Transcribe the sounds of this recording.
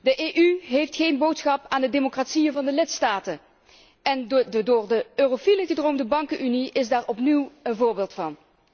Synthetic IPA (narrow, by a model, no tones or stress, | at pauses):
dəʔeʔyɦejftχejnbowtsχɑpaːndədemokratsijənvɑndəlɪtstaːtə | ɛndoːɹdəøːrofiləɣədrowmdəbɑŋkənʔyniɪzdaːɹɔpniwənvʊːɹbeːlˠtfɑn